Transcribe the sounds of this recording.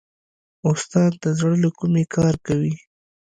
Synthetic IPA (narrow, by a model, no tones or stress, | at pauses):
ʊst̪ɑd̪ːəzɽəlokumekɑɾkawi